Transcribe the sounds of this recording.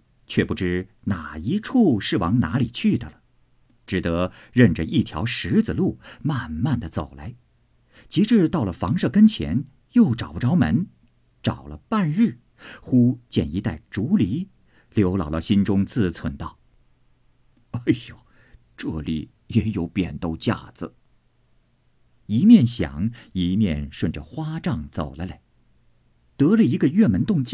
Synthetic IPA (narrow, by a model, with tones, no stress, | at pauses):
t͡ɕʰɥɛ˥˩pu˥˩ʈ͡ʂɻ̩˥ | na˨˩i˧˥ʈ͡ʂʰu˥˧ʂɻ̩˥˩wɑ˧˥ŋna˧˥li˨˩t͡ɕʰy˥˩d̪ə˩lə˩ | ʈ͡ʂɻ̩˨˩t̪ɤ˧˥ | ɻə˥˩nʈ͡ʂə˩ʔi˥˩t̪ʰjɑ̰˧˥ʊʂɻ̩˧˥d͡z̩˨˩lu˥˩ma˥˩nma˥˩nd̪ə˩t͡so˨˩ʊla̰˧˥ɪ | t͡ɕi˧˥ʈ͡ʂɻ̩˥˧t̪ɑ˥˩ʊlə˩fɑ˧˥ŋʂɤ˥˩kə˥nt͡ɕʰjɛ̰˧˥n | jo˥˩ʊʈ͡ʂɑ˨˩ʊpu˥˧ʈ͡ʂɑ˥ʊmə̰˧˥n | ʈ͡ʂɑ˨˩ʊlə̰˦pa˥˧nɻ̩˥˩ | xu˥t͡ɕjɛ˥˩ni˧˥t̪a˥˩ɪʈ͡ʂu˧˥li˧˥ | ljo˧˥ʊlɑ̰˨˩ʊlɑ˥˧ʊɕi˥nʈ͡ʂʊ˥ŋt͡sɹ̩˥˩t͡sʰwə˧˥nt̪ɑ˥˩ʊ | a˥˩ɪjɑ˨˩ | ʈ͡ʂɤ˥˩lḭ˨˩ | jɛ˧˥jo˧˥ʊpjɛ̰˨˩nt̪o˥˧ʊt͡ɕja̰˥˩d͡zɹ̩˩ | i˧˥mjɛ˥˩nɕjɑ̰˨˩˦ŋi˧˥mjɛ̰˥˧nʂwə˥˩nʈ͡ʂə˩xwa˥ʈ͡ʂɑ˥˩ŋt͡so˨˩ʊlə˦le˧˩˦ | t̪ɤ˧˥lə˧i˧˥ɡə˧ɥɛ˥˩mə˧˥nt̪ʊ˥˧ŋt͡ɕ